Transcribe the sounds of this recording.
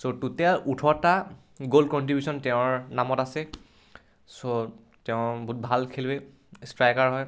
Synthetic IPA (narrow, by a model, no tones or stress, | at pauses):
sotutaʔutʰɔta | ɡolkɔntɹibʱjusɔntɛʊ̃ɹnamɔtasɛ | so | tɛʊ̃bɔut̚bʱalkʰelwɛ | stɹajkaɹɦɔj